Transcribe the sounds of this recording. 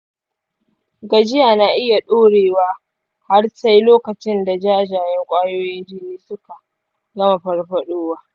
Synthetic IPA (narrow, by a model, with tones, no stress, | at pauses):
ɡa˨d͡ʒɪ˦jaː˨na˨ʔɪ˦ja˨ɗoː˦ɽeː˨waː˦ | ha˦rsa˦jloː˦kɐ˨t͡ʃɪ˦nda˨d͡ʒaː˦˨d͡ʒaː˨jɛ˦ŋkʷʼaː˦joː˦jɪ˦d͡ʒiː˦neː˦sʊ˦ka˨ | ɡɐ˦ma˨ɸɐ˦rɸɐ˦ɗoː˦waː˦